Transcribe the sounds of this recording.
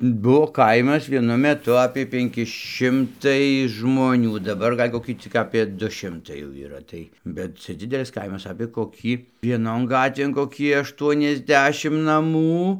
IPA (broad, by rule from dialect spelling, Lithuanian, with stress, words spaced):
ˈbuɔ ˈkɐɪmɐs ʋʲiɛˈnʊ mʲɛˈtʊ ɐpʲiɛ pʲɛŋʲˈkʲɪ ˈʃʲɪmtɐɪ ʒmoːˈnʲuː dɐˈbɐr ˈɡɐlʲ koːˈkʲiː t͡sʲɪk ɐpʲiɛ ˈdʊ ˈʃʲɪmtɐɪ jɛʊ iːˈrɐ ˈtɐɪ bʲɛt ˈt͡sʲɛ ˈd͡zʲɪdʲɛlʲɪs ˈkɐɪmɐs ɐpʲeː koːˈkʲiː ʋʲiɛˈnoːn ˈɡɑːtʲʋʲeːn koːˈkʲiː ˌɑːʃtuɔnʲɛzʲˈdʲæːʃʲɪm nɐˈmuː